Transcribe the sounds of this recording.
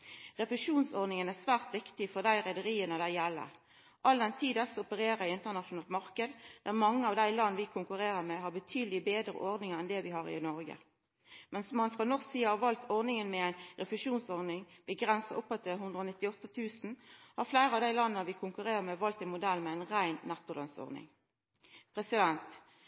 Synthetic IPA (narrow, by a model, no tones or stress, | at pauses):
ʁɛpəʃuːnsɔʁd̪nɪŋənæsʋæːʁt̪ʋɪkt̪ɪfɔʁd̪æɪʁɛd̪əɾiːənəd̪æɪjɛlːə̰ | ʔɑld̪ɛnt̪ʰiːd̪əsɔpəɾeːɾɛɪɪnt̪əʁnɑʃʊnɑːlt̪mɑʁkəd̪d̪̥æʁmɑŋːəɑʋd̪æɪlɑnːəʋɪkʰʊŋkʉʁeːɾəʁmeɦɑʁbət̪ʰyːd̪əlɪbeːd̪ʁə̰ʔɔʁd̪nɪŋəɛnd̪ɛʋɪhɑːʁɪ̰nɔʁɡə̰ | mɛnsmɑnfʁoːnɔʁsiːəhɑːʁʋɑlt̪ɔʁdnɪŋənmɛæɪnʁɛfəʃuːnsɔʁd̪ɪŋb̥əɡʁɛnsəʔʊpːɑt̪ʰːɪlɦʉnd̪ʁəoːnɪt̪ːɪɔt̪ːət̪ʰʉːsn̩hɑʁflæɪɾəɑʋd̪æɪlɑnːəəʋɪkʰʊŋkʉʁeːʁəmɛʋɑlt̪ɛnmʊd̪ɛlːmɛæɪnʁæɪnːɛt̪ːəlɑ̰nsɔ̰ʁnɪ̰ŋ | pʰʁɛsɪd̪ɛnt̪